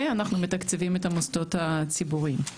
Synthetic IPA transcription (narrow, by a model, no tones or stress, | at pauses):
eanaχnumetakt͡sevimetamosto̞that͡sibuʁim